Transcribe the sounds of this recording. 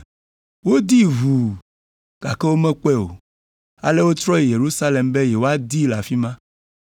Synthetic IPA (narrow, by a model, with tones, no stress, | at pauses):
wo˦d̪i˦vu˨ | ɡ̥a̰˨kɛ˦wo˦mɛ̃˦k͡pɛ˦o̰˨ | a̰˨le˦wo˦t̪ɾɔ˦je˨je˨ɾu˦sa˦le˨mbe˦jɛ˨wo˦a˦d̪i˦la˨fi˦mã˦